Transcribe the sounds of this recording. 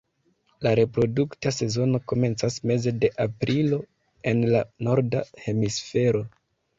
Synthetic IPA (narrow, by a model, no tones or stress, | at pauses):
laɾe̞pɾo̞duktase̞zo̞no̞ko̞me̞nt͡sasme̞ze̞de̞ʔapɾilo̞ | e̞nlano̞ɾdahe̞misfe̞ɾo̞